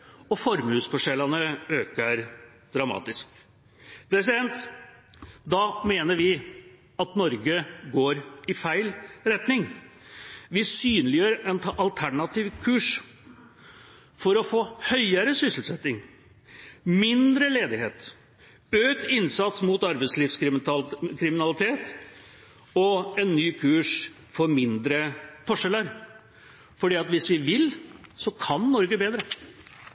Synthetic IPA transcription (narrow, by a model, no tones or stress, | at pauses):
ɔfɔɾmʉːsfɔʂɛlɑnəøːkəɾ | d̪̥ɾɑmɑ̰ːt̪ɪsk | pʰɾɛs̬ɪd̪ɛnt̪ | d̪ɑːmeːnəɾʋɪ | ɑt̪nɔɾɡəɡoːɾɪfæɪlɾɛt̪nɪŋ | ʋɪsyːnlɪjøːɾəʔɛnt̪ʰɑʔɑlt̪ʰæɳɑt̪iːʋkʰʉːʂ | fɔɾɔfoːhœʏəɾəsʏsl̩sɛt̪ːɪŋ | mɪnd̪ɾəleːd̪ɪheːt̪ | øːt̪ɪnsɑt̪smʊt̪ɑɾbɛɪsliːfsk | kʰɾɪmɪnɑlɪt̪ʰeːt̪ | ɔɛnːyːkʰʉːʂ | fɔɾmɪnd̪ɾəfɔʂɛlːəɾ | fɔɖiːɑt̪ʋɪsʋɪʋɪlsɔkʰɑnːɔɾɡəbeːd̪ɾə